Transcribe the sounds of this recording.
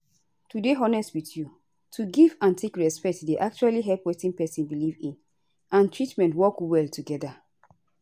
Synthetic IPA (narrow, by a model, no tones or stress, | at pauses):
tudeɔnɛstwitju | tʰuɡivãntʰekɹɛspɛk̚tdeʔak̚t͡ʃualiɦɛlpwetĩnpɛsĩnbilivĩn | ãntʰɹitmɛ̃ntwɔkwɛltʰuɡɛda